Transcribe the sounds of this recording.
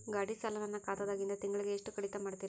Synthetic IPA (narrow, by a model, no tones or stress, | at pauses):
ɡaːɽisɐlɐʋɐnːɐkaːt̪ɐd̪aːɡind̪ɐt̪iŋɡɐɭiɡeːʂʈukɐɽit̪ɐmaːɽt̪iːɾa